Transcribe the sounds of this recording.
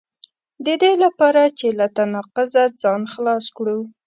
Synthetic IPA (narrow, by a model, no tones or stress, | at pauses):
d̪əd̪elapɑɾat͡ʃelat̪anɑqʊzad͡zɑnxlɑskɽu